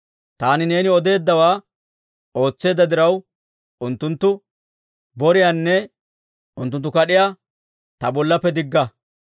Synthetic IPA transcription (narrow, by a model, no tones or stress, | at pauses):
t̪aːnɪne̞ːnɪɔd̪e̞ːd̪ːɐwaː | o̞ːt͡sːe̞ːd̪ɐd̪ɪɾɐw | ʔʊnt̪ːʊnt̪ːʊ | bɔɾɪjaːnːɛ | ʊnt̪ːʊnt̪ːʊkɐɗɪja | t̪ɐbɔlːɐpːɛd̪ɪɡːɐ